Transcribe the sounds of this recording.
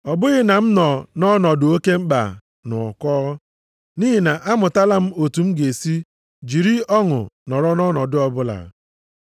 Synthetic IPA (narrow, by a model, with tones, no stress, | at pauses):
ɔ˨bʊ˦ɣɪ˦na˨m̩˦nɔ˨nɔ˦nɔ˨dʊ˨o˦ke˦m̩˦k͡pa̰˨ | nʊ˨ɔ̰˨kɔː˦ | ni˦ɦi˨na˨ʔa˦mʊ˨ta˦la˦m̩˦o˨tu˨m̩˦ɡe˨si˦ | d͡ʒi˨ɾi˦ɔ˦ŋʊ̰˨nɔ˨ɾɔ˦nɔ˦nɔ˨dʊ˦ɔ˦bʊ˦la̰˨